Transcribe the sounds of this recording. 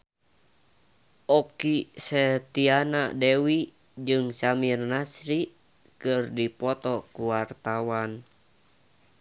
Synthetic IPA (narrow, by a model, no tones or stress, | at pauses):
ʔɔkisɛt̪ianadɛwi | d͡ʒɨŋsamirnasɾi | kɨrdipɔt̪ɔkuwart̪awan